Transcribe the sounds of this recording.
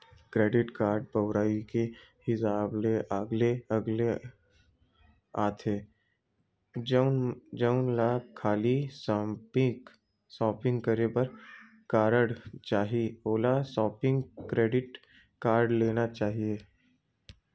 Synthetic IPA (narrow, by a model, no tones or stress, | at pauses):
kɾeːɖɪʈkaːɾɖ̚bəʊɾaːikehɪsaːbleʔəɡleɐɡle | aːt̪ʰeː | d͡ʒəʊnlakʰːaːlis | sɔːpɪ̃ŋɡkɐɾepɐɾ | kaːɾəɽt͡ʃaːɦieoːlasɔːpɪ̃ŋɡkɾeːɖɪʈ | kaːɾɖleːnat͡ʃaːɦieː